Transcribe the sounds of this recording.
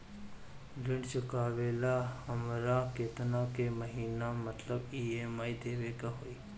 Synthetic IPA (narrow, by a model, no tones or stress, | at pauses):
ɡɪ̃ɳɖt͡ʃəkaːʋeːlaɐmɾakeːt̪nakeməɦiːnamɐt̪ləbiːeːmaːid̪eːʋekaɦoːiː